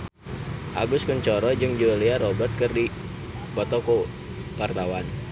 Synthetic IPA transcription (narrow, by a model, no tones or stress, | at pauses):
ʔa̰ɡuskunt͡ʃɔɾɔd͡ʒɨŋd͡ʒuliaɾɔbərt̪̚kɨrdi | pɔt̪ɔku | part̪awan